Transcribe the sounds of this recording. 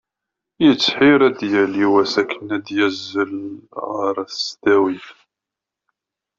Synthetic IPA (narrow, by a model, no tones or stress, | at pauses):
jət͡sːħiɾæd̪jæliwæsækʰːənæd̪jæzːəlʁəɾˤæθst̪æwiθ